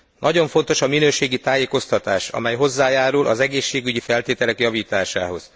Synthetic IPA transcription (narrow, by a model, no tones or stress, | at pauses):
nʔɒɟo̞ɱfo̞nt̪o̞ʃɒminøːʃeːɡit̪aːjeːko̞st̪ɒt̪aːʃɒ̰mɛjɦo̞zːaːjaːɾulʔɒ̰zɛɡeːʃːeːɡyɟifɛlt̪eːt̪ɛlɛkjɒviːt̪aːʃaːɦo̞z̥